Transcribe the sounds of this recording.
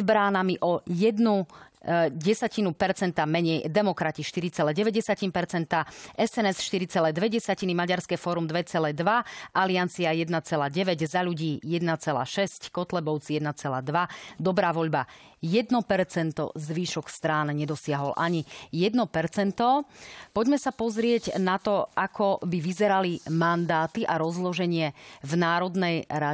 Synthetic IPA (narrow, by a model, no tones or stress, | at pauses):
zbɾaːnamiʔɔjɛd̪nu | ɟɛsacinupɛɾt͡sɛnt̪amɛɲɛjd̪ɛmɔkɾaciʃt̪iɾit͡sɛlɛːɟɛʋɛɟɛsacinpɛɾt͡sɛnt̪aʔɛsɛnɛsʃt̪iɾit͡sɛlɛːd̪ʋɛɟɛsacinimaɟaɾskɛːfɔɾumd̪ʋɛt͡sɛlɛːd̪ʋaʔaliant͡siajɛd̪nat͡sɛlaːɟɛʋɛɟzaʎuɟiːjɛd̪nat͡sɛla̰ːʃɛsckɔt̪lɛbɔʊt͡sijɛd̪nat͡sɛla̰ːd̪ʋad̪ɔbɾaːʋɔʎba | jɛd̪nɔpɛɾt͡sɛnt̪ɔ̰zʋiːʃɔkst̪ɾaːnɲɛd̪ɔsɪaɦɔlʔaɲijɛd̪nɔpɛɾt͡sɛnt̪ɔpɔɟmɛsapɔzɾɪɛɟnat̪ɔakʰɔbiʋizɛɾalimand̪aːt̪iʔaɾɔzlɔʒɛɲɪɛvnaːɾɔd̪nɛjɾa